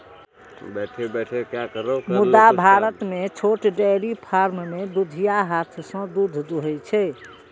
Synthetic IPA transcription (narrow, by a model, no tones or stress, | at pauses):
bɛʈʰebɛʈʰekjakəɾokmud̪abʱaɾət̪met͡ʃʰoʈɖɛɾipʰaɾmmed̪ud̪ʱijaɦat̪ʰsə̃d̪ud̪ʱd̪uɦɛt͡ʃʰɛ